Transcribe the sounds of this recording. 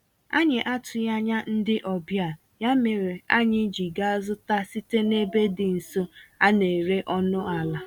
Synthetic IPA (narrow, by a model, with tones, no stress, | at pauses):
a̰˦ɲɪ˨ʔa˦tʰʊ˨ja˦ɲa˦n̩˦dɪ˦ʔɔ˨bja˨ | ja˦me˨ɾe˨a˦ɲɪ˦d͡ʒi˨ɡa˦a˦zʊ˦ta˦si˦te˦ne˦be˦dɪ˨n̩˨so˦a˦ne˨ɾe˦ʔɔ˦nʊ˦a˨la˨